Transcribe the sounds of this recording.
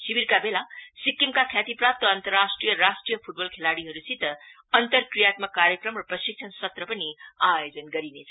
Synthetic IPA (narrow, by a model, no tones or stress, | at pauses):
sibiɾkabelasikːimkakʰjat̪iprap̚t̪ʌːnt̪ʌrːasʈrijʌɾasʈrijʌpʰuʈ̚bʌlkʰelaɽiɦʌɾusit̪ːʌ | ʌnt̪ʌrkrijat̪makaɾjʌkrʌmrʌprʌsik̚t͡sʰʌnsʌt̪rʌpʌniajod͡zʌnɡʌɾinet͡sʰʌ